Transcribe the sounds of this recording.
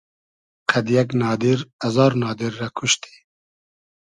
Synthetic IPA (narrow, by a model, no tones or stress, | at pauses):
qʰɐd̪jɛknɑːd̪iɾɐzɑːɾnɑːd̪iɾːakʰʊʃt̪i̥ː